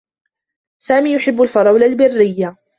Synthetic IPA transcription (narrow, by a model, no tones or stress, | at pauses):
saːmiːjʊħɪbːʊlfɑɾˤɑwlalbɪrːɪjːa